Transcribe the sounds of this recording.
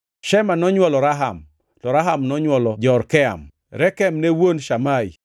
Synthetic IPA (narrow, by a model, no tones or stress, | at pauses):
ʃɛmanɔɲwɔlɔɾaɦa̰m | tɔɾaɦamnɔɲwɔlɔd͡ʒɔɾkɛa̰m | ɾɛkɛmnewonʃamai